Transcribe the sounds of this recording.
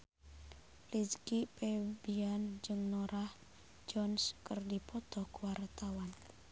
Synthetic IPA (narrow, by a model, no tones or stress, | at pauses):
liskipebiand͡ʒɨŋnoɾah | d͡ʒɔnskərdipɔt̪ɔkwart̪awan